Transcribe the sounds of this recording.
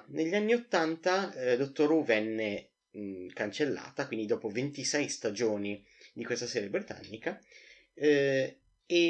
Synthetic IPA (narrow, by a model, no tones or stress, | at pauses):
neʎːanːiot̪ːant̪ad̪ot̪ːoɾuvɛnːe | kant͡ʃelːa̰ːt̪akwind̪id̪ɔːpovent̪isɛjst̪ad͡ʒoːni | d̪ikwest̪asɛːɾebɾit̪a̰nːika | e